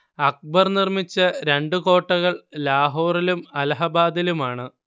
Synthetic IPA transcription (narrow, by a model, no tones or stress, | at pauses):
ɐk̚bɐrnirmit͡ɕːɐɾe̞ɳɖuko̞ːʈːɐɣɐɭlaːɦoːrilumɐlɐɦɐbaːd̪ilumaːɳɨ